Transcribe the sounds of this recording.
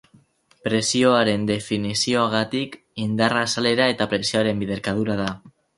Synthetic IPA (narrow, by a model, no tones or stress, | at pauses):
pɾe̞sio̞aɾe̞nd̪e̞finisio̞aɣ̞at̪ik | ind̪arasale̞ɾae̞t̪apɾe̞sio̞aɾe̞mbiðe̞ɾkað̞uɾaða